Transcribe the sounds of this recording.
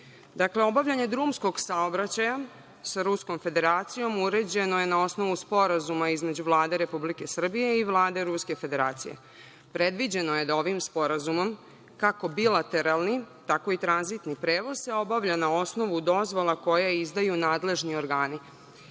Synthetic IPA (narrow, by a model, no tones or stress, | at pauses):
d̪akleo̞baʋʎaɲe̞d̪ɾuːmsko̞ɡsaobɾat͡ɕaja | saɾusko̞mfe̞d̪e̞ɾaːt̪sijo̞muɾe̞d͡ʑe̞noje̞nao̞sno̞ʋuspo̞ɾazumaizme̞d͡ʑuʋlˠaːd̪e̞ɾe̞publike̞sr̩bije̞iʋlˠaːd̪e̞ɾuske̞fe̞d̪e̞ɾa̰ːt̪sḭjḛ | pɾe̞d̪ʋid͡ʑe̞no̞je̞d̪ao̞ʋimspo̞ɾazumo̞m | kako̞bilˠat̪e̞ɾalˠnit̪ako̞it̪ɾanzit̪nipɾeːʋo̞z̥seo̞baʋʎanao̞sno̞ʋud̪o̞zʋo̞lˠako̞jaizd̪ajunaːd̪le̞ʒnio̞ɾɡaːni